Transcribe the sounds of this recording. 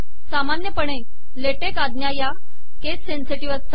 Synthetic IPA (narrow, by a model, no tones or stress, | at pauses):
samanjəpəɽ̃e | leʈekad̪njaja | kesenseʈiʋəst̪